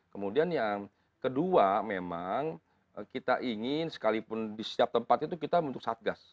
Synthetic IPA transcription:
kəmudianjaŋ | kəduamemaŋ | kit̪aʔiŋɪnsə̥kalipʊndisiap̚t̪əmpat̪it̪ukit̪abənt̪ʊksat̪̚ɡas

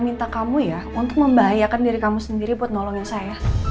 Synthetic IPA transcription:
mint̪akamuja | unt̪ʊk̚məmbaɦajakandaɾikamusəndiɾibuat̪̚nɔlɔŋjaŋsaja

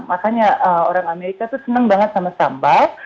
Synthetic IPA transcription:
makaɲaʔəoɾaŋameɾikat̪usənəŋbaŋət̪̚samasamba

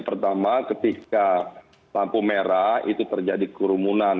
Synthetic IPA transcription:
pərt̪amakət̪ika | t̪ampumeɾait̪ut̪ərd͡ʒadikuɾumunan

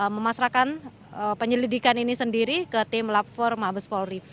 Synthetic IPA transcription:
məmasɾakan | əpəɲəlidikaninisəndiɾikət̪ɪmlat̪̚fɔrmabəspɔlri

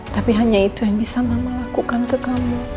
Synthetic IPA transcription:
t̪apiɦaɲait̪ujaŋbisamaməlakukankəkamu

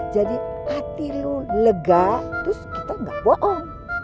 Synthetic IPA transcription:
d͡ʒadiat̪iluləɡat̪ɾʊskit̪aŋɡa̰ʔbɔʔɔŋ

